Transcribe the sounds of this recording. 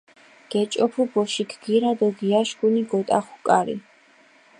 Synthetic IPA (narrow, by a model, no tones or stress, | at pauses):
ɡ̥ɛt͡ʃʼɔpʰubɔʃiɡʰɡ̥iɾad̪ɔɡiaʃɡuniɡɔt̪ʼaχu̥kʼaɾḭ